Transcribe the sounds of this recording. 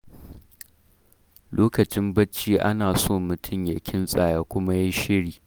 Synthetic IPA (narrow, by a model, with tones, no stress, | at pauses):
loː˦kɐ˨t͡ʃɪ˦mbɐ˦t͡ʃːiː˦ʔa̰˦naː˨soː˦˨mʊ˨tʰʊ˦mja˨kʲʰɪ˦nsʼaː˨jaː˦kʷʊ˦ma˦ji˦ʃɪ˦ɽiː˨